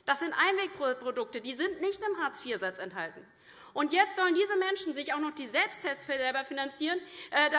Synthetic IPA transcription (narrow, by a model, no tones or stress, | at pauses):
d̥asz̥ɪntʔaɪnveːk̚pʁ̥opʁ̥odʊk̚tədiːzɪntnɪçtɪmɦaːt͡sfiːɐzat͡sɛnthaltn̩ | ʔʊntjɛt͡stz̥ɔləndiːzəmɛnʃn̩zɪçaʊxnɔχd̥iːzɛlpstʰːɛst͡sfɛlbɐfinant͡siːʁənʔɛda